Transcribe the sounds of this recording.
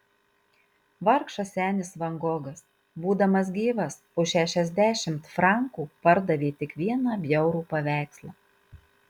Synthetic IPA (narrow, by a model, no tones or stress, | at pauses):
ʋɐɾkʃɐsʲæːnʲɪsʋɐŋɡoːɡɐs | buːd̪ɐmɐs̬ɡʲiːʋɐs | oʃʲæʃʲɛzʲd̪ʲæːʃʲɪmt̪fɾɑˑŋkuːpɐɾd̪ɐʋʲeːt̪ʲɪkʋʲiɛnɑːbʲjɛʊɾuːpɐʋʲæˑɪkslˠɑː